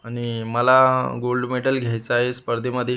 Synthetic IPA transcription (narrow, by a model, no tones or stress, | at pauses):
aɽ̃iməlaɡolɖmeʈəlɡʱjajt͡səaɦespəɾd̪ʱeməd̪ʱːje